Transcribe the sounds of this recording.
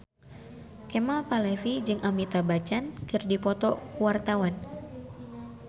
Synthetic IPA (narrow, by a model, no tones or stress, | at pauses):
kemalpalɛfid͡ʒɨŋʔamit̪abat͡ʃankɨrdipɔt̪ɔkuwart̪awan